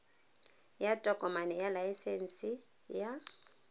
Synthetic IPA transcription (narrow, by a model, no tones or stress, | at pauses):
jatʼɔɡʼɔmanɛjalajisɛnsi | ja